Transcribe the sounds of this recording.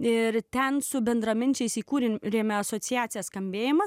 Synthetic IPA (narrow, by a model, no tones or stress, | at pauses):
ɪɾt̪ʲɛnsʊbʲɛnd̪ɾɐmʲɪnʲt͡ʃʲɛɪsiːkuːɾʲeɾʲeːmʲɛɐsoːt̪sʲɪjæːt̪sʲɪjɛsskɐmʲbʲeːjɪmɐs